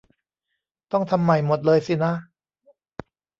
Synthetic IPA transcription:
t̪ɔ˥˩ŋt̪ʰa˧mːa˨˩jmo˨˩t̪̚lɤː˧jsi˨˩na˦˥

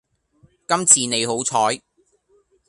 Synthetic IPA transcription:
kɐ˥mt͡sʰiː˨ne˨˧jho˨˥wt͡sʰɔː˨˥j

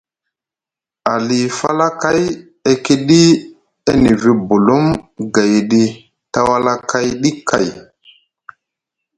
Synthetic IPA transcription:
a˨li˨fa̰˦la˦ka˦˨j | e˦ki˦ɗi˦ | e˦ni˨vi˨bu˨lu˦mɡa˨jɗi˦ | ta˦wa˦la˦kʰa˦jɗi˦kʰa˨j

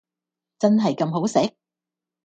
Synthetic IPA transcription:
t͡sɐ˥nɦɐ˨jkɐ˧mɦo˨˥wsɛ˨˥k̚

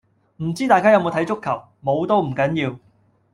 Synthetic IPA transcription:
m̩˨˩t͡siː˥t̪aː˨jkaː˥jɐ˧wmo˨˧wt̪ʰjt͡ʃʊ˥kʰːɐ˨˩w | mo˨˧wt̪o˥wm̩˨˩kɐ˨˥njiː˧w

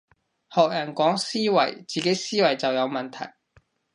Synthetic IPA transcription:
hɔː˨k̚jɐ˨˩nkɔː˨˥ŋsiː˥wɐ̰˨˩jt͡siː˨ke˨˥jsiː˥wɐ˨˩jt͡sɐ˨wjɐ˨˧wmɐ˨nt̪ʰɐ̰˨˩j

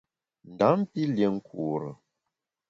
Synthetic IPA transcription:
n̩˨da˨˦m˦pi˦lje˨ŋ̩˦kʰu˨ɾə˨

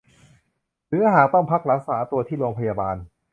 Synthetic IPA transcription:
ɾɯː˨˩˦ɦaː˨˩k̚t̪ɔ˥˩ŋpʰa˦˥k̚ɾa˦˥saː˩˦t̪u˧ɐt̪ʰiː˥˩ɾo˧ŋpʰa˧jaː˧baː˧n

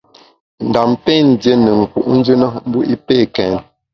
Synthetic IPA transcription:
n̩˨da˨mpe˦n˨dje˦nə˨ŋ̩˨kṵ˨ʔn̩˦d͡ʒʉ˦na˦m̩˦bu˦ʔi˦pe˦˨kɛ˨n

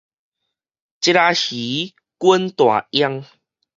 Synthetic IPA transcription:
t͡ɕi˦ɾa˧hi˨˦ | kwə˦nt̪wa̰˨˩ja˧ŋ

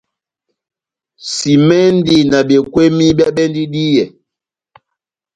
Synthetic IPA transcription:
si˨mɛ˦n˦di˦na˨bjɛ˨kwe˦mi˦bja˦ɓɛ˦ndi˦di˦jɛ˨

